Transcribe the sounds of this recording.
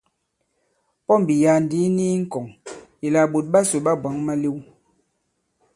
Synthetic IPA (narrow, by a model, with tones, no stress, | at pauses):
pɔ˦m˨bi˨ja˨n˨di˨˦ni˦ŋ̩˦kɔ˨ŋi˨la˨ɓo˨t̚ɓa˦so˨ɓa˦bwa˨˦ŋma˦le˦w